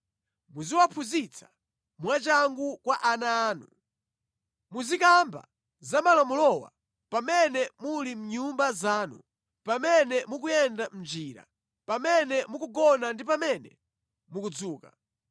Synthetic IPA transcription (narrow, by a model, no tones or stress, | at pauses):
muziwapʰuzit͡sʰḁ | mwat͡ʃaŋɡukwaʔanaːnu | muzikamba̰ | zamalamulɔwa̰ | pamɛnɛmulim̩ɲumbazaːnṵ | pamɛnɛmuk̬ujɛndam̩d͡ʒiːɾa̰ | pamɛnɛmukuɡɔnandipamɛnɛ̰ | mukud͡zuːka